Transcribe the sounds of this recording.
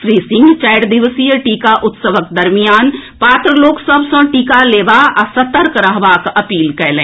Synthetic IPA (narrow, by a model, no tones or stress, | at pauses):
ʃɾiːsɪ̃ŋɡt͡ʃaːjɽd̪ɪʋsijəʈiːkaʔʊt̪səʋək̚d̪ɐɾmijaːnpaːt̪ɾəloːksəbsə̃ʈiːkaleːʋaʔsɐt̪əɾkɾəɦʋaːkɐpiːlkɛːlẽː